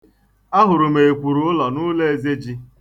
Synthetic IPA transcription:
a˦ɦʊ˨ɾʊ˨me˨e˨kʷu˨ɾu˨˦ʊ˦lɔ˨nʊ˦le˦e˨ze˦d͡ʒi˦

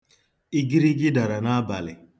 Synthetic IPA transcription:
i˦ɡi˦ɾi˦ɡi˦da˨ɾa˨na˦ba˨le˨

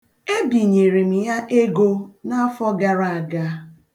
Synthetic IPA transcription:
e˦bi˨ɲe˨ɾe˨m̩˨ja˦ʔe˦ɡo˦na˦fɔ˦ɡa˨ɾa˨a˨ɡa˦

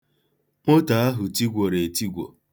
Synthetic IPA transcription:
mo˦ta˨a˦ɦʊ˨ti˦ɡʷo˨ɾe˨ti˦ɡʷo̰˨

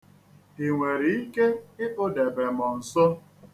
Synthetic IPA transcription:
i˨ŋʷe˨ɾi˨i˦ke˦ɪ˦ʔʊ˦de˨be˨mɔ˨n̩˨sɔ˦

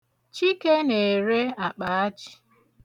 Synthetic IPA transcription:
t͡ʃi˦ke˦ne˨e˨ɾe˦a˨k͡pa˨a˦t͡ʃi̥˨

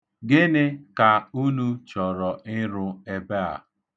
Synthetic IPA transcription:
ɡɪ˦nɪ˦ka˨u˦nu˦t͡ʃɔ˨ɾɔ˨ɪ˦ɾʊ˦e˦be˦a̰˨

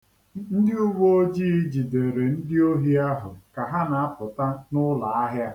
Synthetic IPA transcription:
n̩˦dɪ˦ʊ˦ɡ͡bo˦o˦d͡ʒiː˦i˦d͡ʒi˨de˨ɾe˨n̩˦dɪ˦o˦ɦi˦a˦ɦʊ̰˨ka˨ɦa˦na˨a˦pʊ˨ta˦nʊ˦la˨a˦ɦja˦

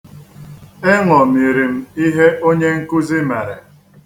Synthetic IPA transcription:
e˦ŋɔ˨mi˨ɾi˨m̩˦i˦ɦe˦o˦ɲe˦ŋ̩˦ku˦zi˦me˨ɾe˨

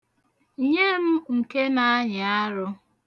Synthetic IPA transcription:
ɲe˦m̩˦ŋ̩˨ke˦na˦ɲɪ˨a˦ɾʊ˦

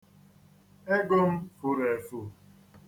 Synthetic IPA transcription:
e˦ɡo˦m̩˦fʊ˦ɾe˨fu˦˨

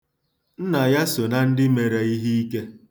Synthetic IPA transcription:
n̩˦na˨ja˦so˨na˨n̩˦dɪ˦me˨ɾe˨i˦ɦi˦i˦ke˦

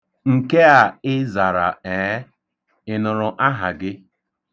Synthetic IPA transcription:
ŋ̩˨ke˦a˨ɪ˦za˨ɾa̰˨e˨˦ | ɪ˨nʊ˨ɾʊ˨ʔa˦ɦa̰˨ɡɪ˦

